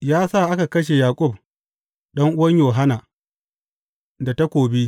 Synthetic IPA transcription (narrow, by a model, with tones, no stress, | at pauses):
jaː˦sa˦˨ʔa˦ka˨kɐ˦ʃ̬e˨jaː˨kʷʼʊ˦˨b̚ | ɗɐ˦ŋʔʊ˦wɐ˦ɲjoː˨ɦa˦na˨ | da˨ta˦kʷoː˨bi˦